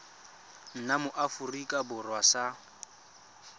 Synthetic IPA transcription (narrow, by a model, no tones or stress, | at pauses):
n̩namʊʔafurikʼabʊrwasa